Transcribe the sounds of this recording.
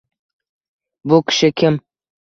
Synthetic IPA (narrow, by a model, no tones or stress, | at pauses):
bʊkʲʰɪ̥ʃɪkʲʰɪm